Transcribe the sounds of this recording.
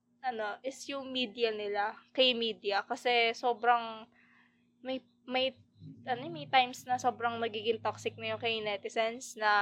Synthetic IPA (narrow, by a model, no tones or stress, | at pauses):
ʔɐno̞ʔɪsjʊŋmiːd̪ɪjɐnɪlakɐjmiːd̪ɪɐkɐsɛso̞ːbɾɐŋ | mɐj | mɐj | ʔɐnomɐjt̪ajmsnɐso̞ːbɾɐŋmɐɡiːɡɪŋt̪ok̚sɪk̚nɐjʊŋkɐjnɛt̪ɪsɛnsnɐ